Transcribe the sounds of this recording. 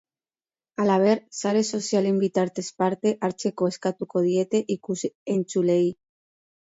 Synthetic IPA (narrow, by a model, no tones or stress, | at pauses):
alaβeɾsaɾeso̞sjalimbit̪aɾt̪espaɾt̪eʔaɾt͡ʃe̞koeskat̪ukoð̞jet̪eʔikuenʲt͡ʃulej